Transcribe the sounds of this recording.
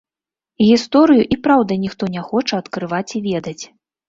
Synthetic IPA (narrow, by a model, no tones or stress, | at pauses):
ɣʲist̪ɔɾɨjuʔipɾawd̪ɐnʲixt̪ɔnʲɛxɔt͡ʂɐɐt̪kɾɨvat͡sʲivʲɛd̪ɐt͡sʲ